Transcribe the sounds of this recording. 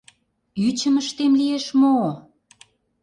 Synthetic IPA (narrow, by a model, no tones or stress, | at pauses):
yt͡ɕəməʃt̪emlieʃmo